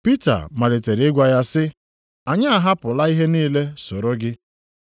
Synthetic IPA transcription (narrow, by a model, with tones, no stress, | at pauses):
pi˦ta̰˨ma˨ɾi˨te˨ɾɪ˦ɡʷa˦ja˦sɪ˦ | a˨ɲa˦a˨ɦa˦pʊ˨la˦i˦ɦe˦niː˦le˦so˨ɾo˦ɡɪ˦